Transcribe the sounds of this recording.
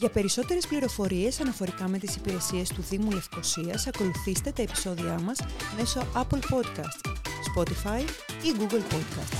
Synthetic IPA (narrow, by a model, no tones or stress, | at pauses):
ʝɐpe̞ɾiso̞t̪e̞ɾespliɾo̞fo̞ɾie̞sɐnɐfo̞ɾikɐme̞t̪isipiɾe̞sie̞st̪uθimule̞fko̞siɐsɐko̞luθist̪e̞t̪ɐe̞pi̥so̞ðiɐmɐsme̞so̞ʔɐplpo̞d̪kɐst̪spo̞t̪ifɐjiɡuɡlpo̞d̪kɐ̰st̪